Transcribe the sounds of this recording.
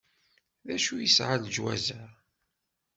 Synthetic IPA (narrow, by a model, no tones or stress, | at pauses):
ðæʃujəsʕald͡ʒwæ̰zæ